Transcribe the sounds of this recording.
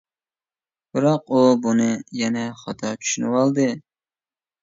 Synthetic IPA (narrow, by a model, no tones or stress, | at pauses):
b̥ɨɾɑqubunɨjɛnɛχɑt̪ʰɑt͡ʃʰy̥ʃynɨwɑlˠd̪ɨ